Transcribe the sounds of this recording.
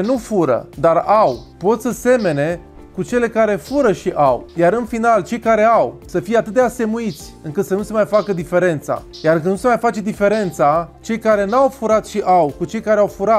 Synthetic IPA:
nufuɾə̰d̪arawpo̞t̪səse̞me̞ne̞ | kut͡ʃe̞le̞kaɾe̞fuɾəʃiʔawjaɾɨnfinalt͡ʃe̞jkaɾe̞awsəfijeat̪ɨt̪̚d̪ease̞muit̪sʲɨŋkɨt̪sənuse̞majfakəd̪ife̞ɾe̞nt̪sa̰ | jarkɨnnuse̞majfat͡ʃe̞d̪ife̞ɾe̞nt̪sat͡ʃe̞jkaɾe̞nawfuɾat̪ʃiʔawkut͡ʃe̞jkaɾeawfuɾa

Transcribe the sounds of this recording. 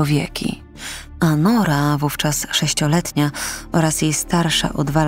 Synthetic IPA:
ɔvʲjɛkʲḭ | anɔɾavuft͡ʂasʂɛɕt͡ɕɔlɛt̪ɲaɔɾasjejst̪aɾʂa̰ʔɔd̪va

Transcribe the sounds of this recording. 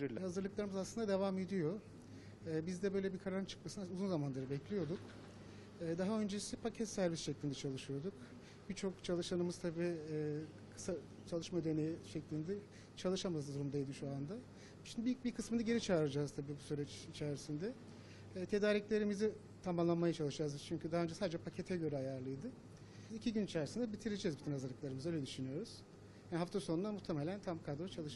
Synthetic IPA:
ɾiɾlʲhazɯɾlˠɯklˠaɾɯmɯzaslˠɯnd̪ad̪e̞vame̞d̪ijo̞ | ɯːbizd̪ɛbøjlʲebikʰaɾaɾɯnt͡ʃʰɯ̥k̚masɯnauzunzamanlˠaɾɯbɛclʲijo̞d̪uk | ɛːd̪aɦaønd͡ʒesipʰacʰɛt̪sæɾvisʃɛclʲind̪ɛt͡ʃʰalˠɯʃɯjo̞d̪uk | b̥iɾt͡ʃʰo̞kt͡ʃʰalˠɯʃanɯmɯzt̪ʰabiː | kʰɯ̥sa | t͡ʃʰalˠɯʃmad̪enejɛʃɛclʲind̪ɛ | t͡ʃʰalˠɯʃamazd̪uɾumd̪ajd̪iʃuand̪a | ʃinibibikʰɯsmɯnaɟe̞ɾit͡ʃʰaːɾad͡ʒaːzt̪ʰabiːbusyɾɛt͡ʃit͡ʃʰæɾisind̪ɛ | t̪ʰe̞d̪aːɾiclʲe̞ɾimizi | t̪ʰamamlˠanmajat͡ʃʰalˠɯʃd͡ʒaːzd̪ɯt͡ʃʰyɲcʰyd̪aɦaø̞nd͡ʒɛsaːd̪ed͡ʒɛpʰacʰet̪ʰɛɟø̞ɾɛajaɾlˠɯjd̪ɯ | icʰiɟynit͡ʃʰæɾisind̪ɛbit̪ʰiɾid͡ʒɛzbit̪ʰinazaɾlˠɯklˠaɾɯmɯzaølʲɛd̪yʃynyjo̞ɾuz̥ | janɦaft̪ʰasonunamuht̪ʰːeme̞lʲænt̪ʰamkʰad̪ɾot͡ʃʰalˠɯʃ

